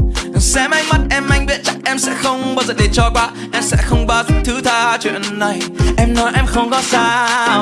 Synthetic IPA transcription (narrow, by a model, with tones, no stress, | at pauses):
sɛ̰˧˥ma˧jma˨˦t̚ʔɛ˧mːa˧jŋ̟ɓi˦˥t̚t͡ɕa˦˥k̚ʔɛ˧msɛ̰˧˥xə˧wŋ͡mɓaː˧zə̰ː˧˨˩ɗe˨˩t͡ɕɔ˧kwaː˧ | ʔɛ˧msɛ̰˧˥xə˧wŋ͡mɓaː˧˩zt̪ʰɨ˨˦t̪ʰaː˧t͡ɕwḭ˧˨ənːa˧˩jʔɛ˧mnɔ˨˦jʔɛ˧mxə˧wŋ͡mkɔ˨˦saː˧